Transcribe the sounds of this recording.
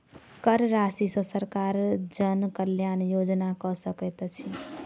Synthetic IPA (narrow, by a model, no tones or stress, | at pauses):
kəɾɾasisə̃səɾkaɾd͡ʒənkəljanjod͡ʒnakɔsəkɛt̪t͡ʃʰi